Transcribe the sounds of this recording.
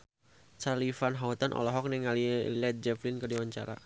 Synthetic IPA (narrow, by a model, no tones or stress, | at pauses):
t͡ʃalifanɦaut̪anʔɔ̰lɔɦɔk̚nɛŋalilɛt̪̚d͡ʒɛflinkədiwaɲt͡ʃa̰ɾa̰